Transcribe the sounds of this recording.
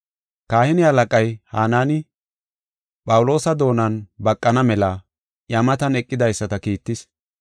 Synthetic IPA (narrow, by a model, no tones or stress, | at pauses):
kaːhɪnɪhɐlɐkʼɐjhaːnaːnɪ | pʼɐwʊlo̞ːsɐd̪o̞ːnɐnbɐkʼːɐnɐmɛlɐ | jɐmɐt̪ɐnɛkʼːɪd̪ɐjsːɐt̪ɐkiːt̪ːɪs